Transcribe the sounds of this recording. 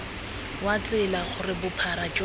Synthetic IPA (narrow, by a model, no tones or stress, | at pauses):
wat͡sʼɪlaχʊrɪbʊpʰaɾat͡ʃʼ